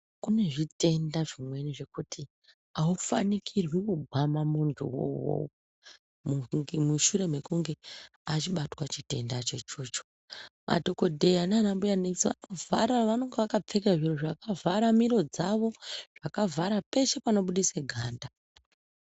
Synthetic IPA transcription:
kune̞ʐite̞ndaʐimwe̞niʐe̞kutʰi | aufa̰nikʰirwikuɡʱwamamuntʰṵwo̰wo̰w | muŋemuʃuɾe̞me̞kuŋɡe̞ | at͡ʃiɓatwat͡ʃite̞ndat͡ʃe̞t͡ʃuːt͡ʃo̥ | mʔa̰dʱoko̞dʱe̞jananambujanesiʋa̰novaɾaʋano̞ŋɡeʋakap͡fe̞kaʐiroʐakavʱaɾamiɾo̞d͡zaʋo̞ʐ̥akavʱaɾape̞ʃe̞pano̞ɓuɗiseɡʱaːnda

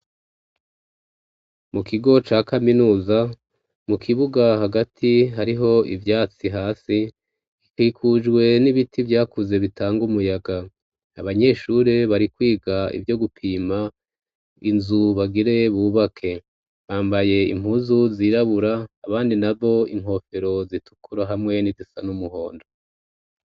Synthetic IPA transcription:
mukiɡo̞t͡ʃaːkaminuːza | mukʰiβuɡahaɡatʰiɦaɾiɦo̞ʔivjaːt͡siɦaːsi | ikiːkʰud͡ʒɡwe̞niβitʰivjaːkuze̞βitʰaːŋɡumujaɡa | aβaɲe̞ːʃuːɾe̞βaɾikwiːɡaḭvjo̞ɡupʰiːma | inzuβaɡiɾe̞βuːβakʰe̞ | βaːmbaje̞ḭm̥huːzuziɾaβuɾaːβaːndinaβo̞iŋ̥ɦo̞fe̞ɾo̞zitʰu̥kʰuɾaɦamŋe̞nizisanumuɦo̞ːndo

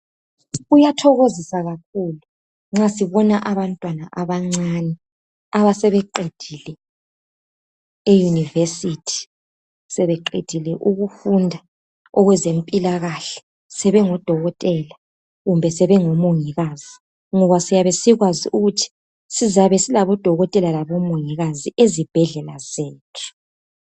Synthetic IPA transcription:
ujatʰɔɣozisaɣakʰulu | ŋ͡ǁasiβɔnaʔaβantʼwanaʔaβaŋ͡ǀanɛ | aβasɛβɛǃed̥ʱilɛ | ejunivesitʰi̥ | sɛβɛǃed̥ʱilɛʔuɣufundʱa | ɔɣwɛzem̩pʼilaɣaɬɛ̥ | sɛβɛŋɔd̥ʱɔɣɔtʼɛla | ɣumbʱɛsɛβɛŋomoŋiɣaz̥i | ŋɔβasijaβɛsiɣwaziʔuɣutʰi̥ | sizaβɛsilaβɔd̥ʱɔɣɔtʼɛlalaβɔmoŋiɣaziʔezib̥ʱɛɮɛlazeːtʰu̥

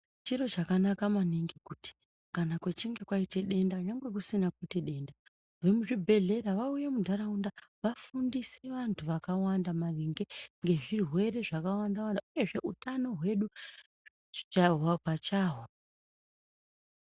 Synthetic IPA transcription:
t͡ʃiro̞t͡ʃakanakamaniŋɡikuti̥ | kanakwet͡ʃiŋɡe̞kwaite̞ɗe̞ndaɲaŋɡwe̞k̬usinakweteɗe̞nda | ʋe̞muʐibʱe̞ɮe̞ɾaʋauje̞mudʱaɾaundaʋafundiseʋantʰuʋakawandamariŋɡe̞ŋɡe̞ʐirwe̞re̞ʐakawandawandaʔuje̞ʐe̞ʔutano̞ɦwe̞ɗu | t͡ʃaɦwapat͡ʃaːɦo

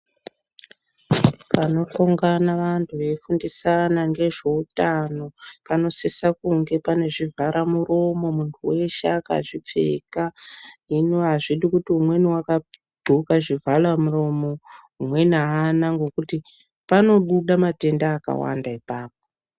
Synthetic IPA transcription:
pano̞to̞ŋɡanaʋantʰuʋe̞fundisanaŋɡe̞ʐe̞utano̞pano̞sisakuŋɡe̞pane̞ʐivʱaɾʔamuro̞mo̞muntʰuwe̞ʃeaka̰ʐip͡fe̞̰kainoɦaʐiɗikutiumwe̞niwaka | bʱukaʐivʱalamuro̞mo̞ | umwe̞naanaŋɡo̞kuti | pano̞ɓuɗamate̞ndaːka̰wa̰ndaipaːp̚o

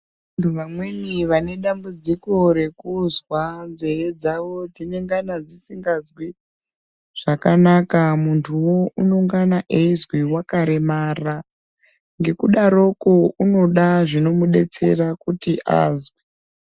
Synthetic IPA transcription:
antʰuʋamweniʋane̞ɗambud͡ziko̞ɾe̞kuzwand͡zejed͡zaʋo̞d͡zine̞ŋɡanad͡zisiŋɡazwi | ʐ̥akanakamuntʰuwo̞uno̞ŋɡanaʔeizwiwakaɾemara | ŋɡe̞kuɗaɾo̞kouno̞ɗaʐino̞muɗe̞t͡se̞̰rakutiʔa̰ːzwe

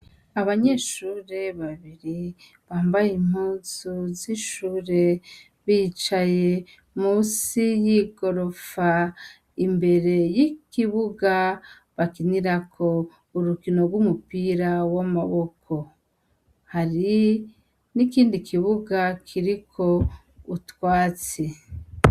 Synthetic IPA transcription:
aβaɲeʃuːɾe̞βaβiɾi | βaːmbajim̥huzuziʃuːɾe̞ | βit͡ʃaje̞ | muːsijiɡo̞ɾo̞fa | imbe̞ɾe̞jikiβuɡa | βakiniɾakʰo | uɾukino̞ɡwumupiɾawamaβo̞kʰo̞ | haɾi | nikiːndikʰiβuɡakʰiɾikʰo̞ | utwaːt͡se

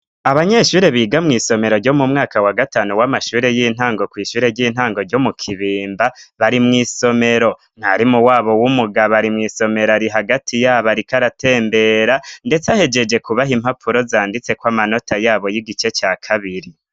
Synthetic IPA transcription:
aβaɲe̞ʃuːɾe̞βiːɡamŋiːso̞me̞ɾo̞ɾɟo̞mumŋaːkawaɡataːnuwamaʃuːɾe̞jiːn̥haːŋɡo̞kwiːʃuːɾe̞ɾɟiːn̥haːŋɡo̞ɾɟo̞mukʰiβiːmbaβaɾimŋiːso̞me̞ɾo̞ | n̥haɾimuwaːβo̞wumuɡaβaɾimŋiːso̞me̞ɾaɾiɦaɡatʰijaːβaɾikaɾatʰe̞ːmbe̞ːɾande̞t͡sahe̞d͡ʒe̞d͡ʒe̞kuβaɦim̥hapʰuɾo̞zaːndit͡se̞kwaːmano̞tʰajaːβojiɡit͡ʃe̞t͡ʃaːkʰaβiɾi

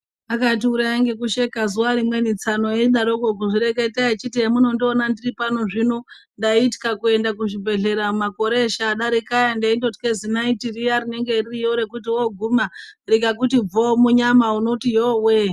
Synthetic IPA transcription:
akat̬iuɾajaŋɡe̞kuʃe̞kazuwaɾimwe̞nit͡sano̞jeɗaɾokok̬uʐireketeat͡ʃitiemuno̞ndonandiripano̞ʐino | ndaiti̥kakue̞ndakuʃibʱe̞ɮe̞ɾamumako̞ɾe̞ʃaɗaɾikajandaindoti̥kezinaitirijaɾine̞ŋɡe̞ririjoɾe̞kutiwoɡʱumarikakutib͡vomuɲamauno̞tijowe

